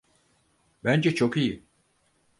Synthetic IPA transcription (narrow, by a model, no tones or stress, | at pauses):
bænd͡ʒɛt͡ʃʰo̞kiji